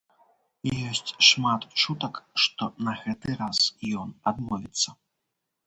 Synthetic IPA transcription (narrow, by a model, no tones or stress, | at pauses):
ijɔsʲt͡sʲʂmat̪t͡ʂut̪ɐkʂt̪ɔnɐɣɛt̪ɨɾasjɔnad̪mɔvʲit̪sːɐ